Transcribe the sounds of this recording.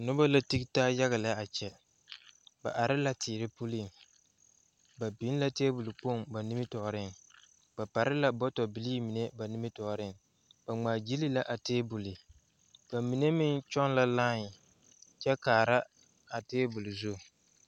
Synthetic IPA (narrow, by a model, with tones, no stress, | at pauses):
nʊ˦ba˦la˦ti˦ktaː˦ja˦ɣa˨la˦a˨t͡ʃɛ˦ | ba̰˨ʔa˨ɾɪ˦la˦tʰiː˨ɾɪ˦pu˦li˦˨ŋ | ba˨bi˨˦n˦la˦teː˦bʊ˨lu˨k͡po˦˨ŋba˨nɪ˦mɪ˦tɔ˨ʔɾɪ˦ŋ | ba˨pa˨ɾɪ˦la˦bɔ˦tɔ˨bɪ˨li˦mi˨ne˦ba˨nɪ˦mɪ˦tɔ˨ʔɾɪ˦ŋ | b̥a˨ŋ͡maː˨d͡ʒi˦li˦la˦ʔa˨teː˦bʊ˨lɪ˨ | b̥a˨mi˨ne˦mɪ˦ŋt͡ʃɔ˦nla˦laː˦ɲɪ˨ | t͡ʃɛ˦kaː˨ɾa˦ | a˨teː˦bu˨lu˨zʊ˦˨